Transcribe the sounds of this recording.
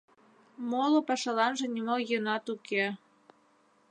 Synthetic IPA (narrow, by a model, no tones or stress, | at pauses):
molopɑʃɑlɑnʒĕnʲimojənɑt̪uke